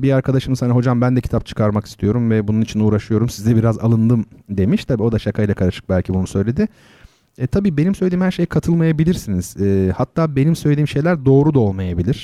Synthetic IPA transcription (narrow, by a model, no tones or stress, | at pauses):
biaɾkʰad̪aʃɯmɯzhanaɦo̞d͡ʒambænd̪ɛcʰi̥t̪ap̚t͡ʃʰɯ̥kʰaɾmaki̥st̪ʰijo̞ɾumvɛbununit͡ʃʰinuːɾaʃɯjo̞ɾumsizd̪ɛbiɾaza̰lˠɯnd̪ɯmd̪e̞miʃt̪ʰabiːo̞d̪aʃakʰajlʲˠakʰaɾaʃɯ̥k̚bælʲcʰibunu̥sø̞jlʲe̞d̪ɪ | t̪ʰabiːbe̞nimsøjlʲed̪iːmhæɾʃe̞jkʰat̪ʰɯlˠmajabilʲiɾsiniz̥ɛːhat̪ʰːaːbe̞nimsø̞jlʲed̪iːmʃe̞jlʲæɾd̪o̞ːɾud̪ao̞lˠmajabilʲiɾ̥